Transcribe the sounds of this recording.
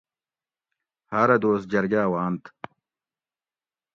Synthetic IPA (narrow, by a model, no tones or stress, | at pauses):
haɾɐd̪oːst̪̚d͡ʑɐɾɡaːwaːnt̪